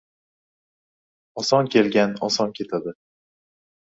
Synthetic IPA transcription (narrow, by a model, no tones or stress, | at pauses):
ɒsɒnkʲʰe̞lɡʲanɒsɒnkʲʰe̞t̪ʰad̪ɪ